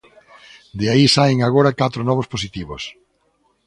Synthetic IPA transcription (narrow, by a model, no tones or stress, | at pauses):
d̪eaisajŋaɣoɾakat̪ɾʊnɔβosposit̪iβos